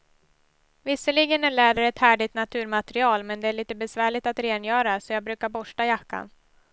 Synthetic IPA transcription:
vɪsːəɭɪɡənæɭɛːɖ̪əɾɛt̪hæːɖɪt̪nat̪ʰʉ̟ːɾmat̪ɾɪɑːlmɛnd̪ɛæːɭiːt̪əbɛsvæːɭɪt̪at̪ɾeːnjœːɾasɔjɑːɡ̚bɾʉ̟ːkaɾbɔʂʈajakːa̰n

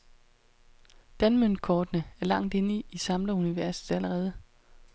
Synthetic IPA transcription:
d̥ænmønkʰɒːd̥nəæɐlɑ̈ŋ̰d̥e̝niisɑ̈mlɐuniʋæɐsð̩ˠæləʁɛːð̞ˠə

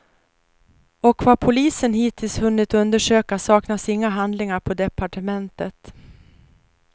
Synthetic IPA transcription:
ɔkvapʰʊliːsənɦiːt̪ʰɪlsvɵnːɪt̪ɵnd̪əʂøːkasɑːknasɪŋːaɦand̪lɪŋaɾpʰɔd̪ɛpʰaʈəmɛnt̪ət̪

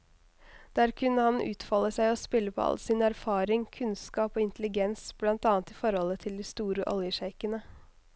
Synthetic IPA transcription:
d̪̥æːɾkʰʉnːəhɑnʉ̰ːt̪fɑːləsæɪɔspɪlːəpʰɔ̰ɑ̰lsɪnæɾfɑːɾɪŋkʰʉnskɑːpoːɪnt̪əlɪɡɛnsb̥lɑnt̪ɑːnt̪iːfɔɾhɔlət̪ʰɪld̪iːst̪uːɾəʔɔ̰ljəʃæɪkənə

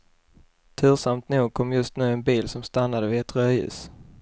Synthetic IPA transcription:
t̪ʰʉ̟ːsamt̪nuːɡ̚kʰɔmːjɵst̪nʉ̟ːɛnbiːlsɔmst̪anːad̪əvɪɛt̪ɾœːʉ̟̰ːs

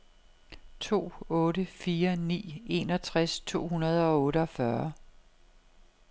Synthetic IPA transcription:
t͡sʰo̝̰ːɔ̽ːɾəfiːɐnḭːe̝ːnɒ̽t͡sʰʁast͡sʰo̝̰ːɦunɐð̞̩ˠɒ̽ɔ̽ːɾəɒ̽fɶɐ

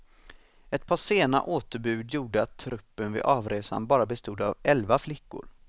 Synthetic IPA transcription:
ɛt̪̚pʰɑːʂeːna̰ʔoːt̪əɾbʉ̟ːd̪juːɖəat̪ʰːɾɵpːənvɪ̰ʔɑːvɾeːsa̰nbɑːɾabɛst̪uːd̪avɛlvaflɪkːʊ̰ɾ

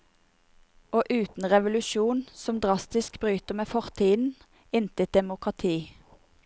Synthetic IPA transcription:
oːʔʉːt̪n̩ʁɛʋʊlʉʃuːnsɔmd̪ʁɑst̪ɪskbʁyːt̪əmeːfɔʁt̪ʰiːn̩ | ɪnt̪əd̪ɛmʊkʁɑt̪ʰiː

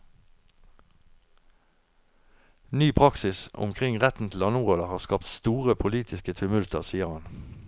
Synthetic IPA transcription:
nyːpʰʁɑksɪsʊ̰mkʰʁɪŋʁɛt̪n̩t̪ʰl̩ɑnuːʁələhɑːʁskɑpt̪st̪uːʁəpʰʊliːt̪ʰɪskət̪ʰʉmʉlt̪əʁsiːəʁhɑn

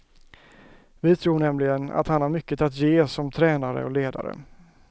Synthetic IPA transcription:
vɪt̪ʰɾuːɳɛmlɪɡəna̰t̪hanhaɾmʏkːət̪at̪jeːsɔmt̪ʰɾɛːnaɾə̰ɔleːd̪a̰ɾə̰

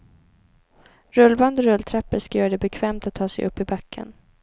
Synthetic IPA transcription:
ɾɵlvand̪əɾɵlːt̪ʰɾɛpːəɾʂkœːɾad̪ɛbɛkʰvɛːmt̪at̪ʰːɑːsɛjʔɵ̰pːɪbakʰːə̰n

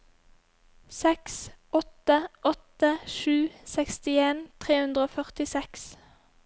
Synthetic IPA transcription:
sɛksʔɔt̪əʔɔt̪əʃʉːsɛkst̪ɪeːnt̪ʰʁeːhʉnd̪ʁəoːfœʁt̪ɪsɛks

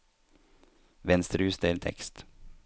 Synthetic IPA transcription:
ʋɛnst̪əɾʉːsd̪eːlt̪ʰɛ̰kst̪

